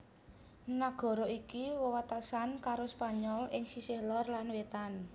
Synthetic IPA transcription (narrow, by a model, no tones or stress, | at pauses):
naɡ̥ɔ̤ɾɔikiwɔwat̪asankaɾospaɲɔlɪŋsisɪhlɔrlanwet̪an